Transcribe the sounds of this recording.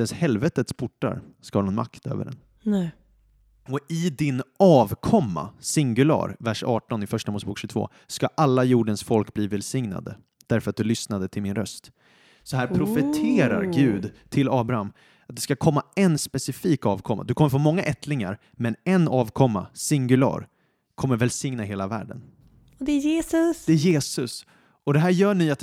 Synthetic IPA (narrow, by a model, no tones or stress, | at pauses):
ɛnshɛlvɛt̪ət̪spʰʊʈːa̰ɾskahːnʊnma̰kt̪ø̰ːvə̰ɖɛ̰n | ɔɪd̪ɪnɑːvkʰɔmːa̰sɪŋɡɵlɑ̰ːɾvæʂɑːʈɔnɪfœʂʈamuːsəbuːkɕʏɡt̪ʰvo̰ː | skaʔalːajuːɖənsfɔlkbliːvɛlsɪŋna̰d̪ə̰ | d̪̥æɾfœɾat̪̚d̪ɵlʏsnad̪ət̪ʰɪlmɪnɾœst̪ | sɔɦæːɾpʰɾʊfɛt̪ʰeːɾa̰ɾɡʉ̟ːd̪t̪ʰɪlɑːbɾaham | at̪̚d̪ɛskakʰɔmːaɛnspɛsɪfiːkɑːvkʰɔmːa̰d̪ɵkʰɔmːəɾfoːmɔŋːaʔɛt̪ʰlɪŋa̰ɾ | mɛnɛnːɑːvkʰɔmːa̰sɪŋɡɵlɑ̰ːɾ | kʰɔmːəɾvɛlsɪŋnaɦeːlavæ̰ːɖə̰n | d̪ɛjeːsd̪ɛæɾjeːsɵs | ɔd̪ɛɦæːɾjœːɳyːa